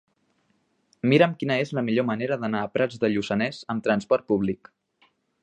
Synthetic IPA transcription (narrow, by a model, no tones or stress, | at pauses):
miɾəmkinəezləmiʎoməneɾəðənaəpɾad͡zðəʎusənɛzəmt̪ɾənspɔɾt̪̚puβlik